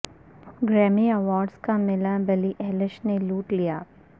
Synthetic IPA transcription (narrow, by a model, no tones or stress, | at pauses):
ɡɾɛːmiɐʋɔːɾɖzkamɪlabɐliʔɛːlɪʃneluːʈlijaː